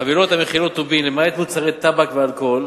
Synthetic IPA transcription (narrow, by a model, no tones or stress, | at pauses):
avilot̪hameχilot̪ːubimlemaet̪mut͡saʁet̪ːabakvealko̞l